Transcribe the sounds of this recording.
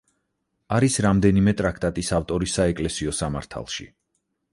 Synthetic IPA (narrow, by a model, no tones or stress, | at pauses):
aɾisɾamd̪ɛnimɛt̪ʼɾak̚ʰt̪ʼat̪ʼisaft̪ʼɔɾisːaɛkʼlɛsiɔsama̰ɾt̪ʰa̰lˠʃḭ